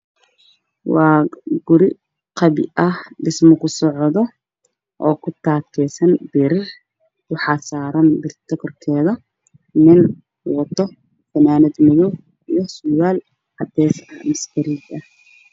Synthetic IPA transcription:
wɑːɡʊɾɪ | qɑβɪ̰ʔɐhɖɪsmɔkʰʊsɔʕðɔ | ʔɔːkʰʊt̪ʰaːkkʰɛːsɐnbɪɾɪr | kɑħɑːsaːɾɐnbɪrt̪ʰɔkʰɔrkʰɛːðɐ | nɪn | wɔt̪ʰɔ | fɐnaːnɪd̪mʊðɔ | ijɔsʊwaːl | ʕɑd̪ɛːsɐmɐskɐɾɪɡɐ

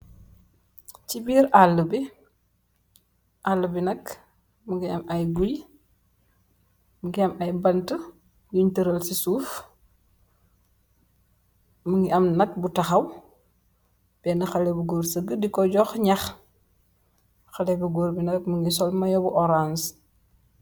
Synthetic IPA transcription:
cibiːɾalːəbi | ʔalːəbinɐk | muŋɡiɐmɐjɡuj | muɡiɐmɐjbɐntə | nuɲtəɾəlsisuːf | muŋɡiɐmnɐk̚butɐxɐw | b̥ɛnɐxɐlɛbuɡoɾsəɡədikɔɟɔxɲɐx | xɐlɛbuɡoɾbinɐkmuŋɡis̬ɔlmɐjɔbuʔɔɾans

